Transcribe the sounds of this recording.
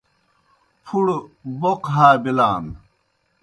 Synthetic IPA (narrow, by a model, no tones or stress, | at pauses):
pʰuɽboqɦaːbilaːn